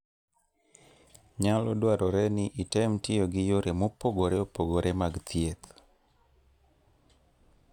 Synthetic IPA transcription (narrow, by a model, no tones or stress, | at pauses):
ɲalodwaɾɔɾɛnɪʔitɛmtɪjoɡɪjoɾemopoɡoɾɛopoɡoɾʔemaɡt̪jet̪